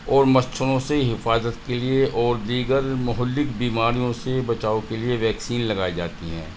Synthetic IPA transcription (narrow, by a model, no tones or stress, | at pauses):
ɔːɾmɐst͡ʃʰəɾõseɦɪfaːzət̪kelieʔɔːɾd̪iːɡəɾmʊɦʊlːɪkbiːmaːɾijõsebɐt͡ʃaːokelieʋɛːksiːnlɐɡaːid͡ʒaːt̪iɦɛ̰̃ː